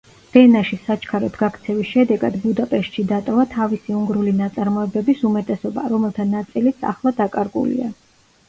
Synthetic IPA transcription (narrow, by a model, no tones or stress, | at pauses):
ɛnaʃisat͡ʃʰkʰaɾɔt̪ʰɡakʰt̪sʰɛvisʃɛd̪ɛɡad̪bud̪apʼɛʃt̪ʃid̪at̪ʼɔvat̪ʰavisiuŋɡɾulinat̪sʼaɾmɔɛbɛbisumɛt̪ʼɛsɔba̰ɾɔmɛlˠt̪ʰanat̪sʼilit̪sʰa̰χlˠad̪akʼaɾɡṵlḭa